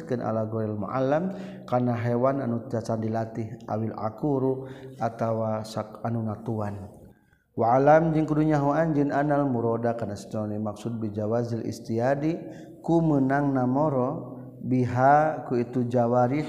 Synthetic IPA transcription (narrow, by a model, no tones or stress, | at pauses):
kɨnʔa̰laɡɔɾɛlmṵʔa̰lːamkarnaɦɛwananut̪asandilat̪iha̰wila̰kuɾuat̪awasaanunat̪uan | walamd͡ʒɨŋkuduɲaɦuand͡ʒɨnanalmuɾɔdakarnasi̥t̪limaksud̪̚bid͡ʒawazilḭst̪iadi | kumənaŋnamɔɾɔ | biɦakuit̪ud͡ʒawaɾi